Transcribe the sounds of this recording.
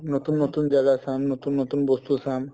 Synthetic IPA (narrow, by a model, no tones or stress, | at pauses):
not̪unːot̪und͡ʒaɡasamnot̪unːot̪unbost̪usam